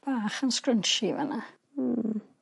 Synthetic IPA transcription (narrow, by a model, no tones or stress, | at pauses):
b̥aːχənskrənʃivə̰na